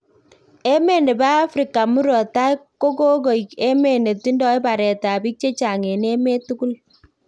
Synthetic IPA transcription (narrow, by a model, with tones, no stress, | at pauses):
e˦me˦˨nde˨ba˦a˦fɾi˨ka˨mu˦ɾɔ˨ta˦jko˦ko˦ɡo˨je˦me˨ne˨ti˦ndɔ˦jba˨ɾɛ˨ta˨bi˦k̚t͡ʃe˦t͡ʃa˨ŋe˨ne˦me˦tu˦ɡu˦l